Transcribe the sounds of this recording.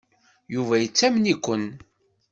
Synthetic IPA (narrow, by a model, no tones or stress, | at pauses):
juvæjət͡sːæmnikʷːən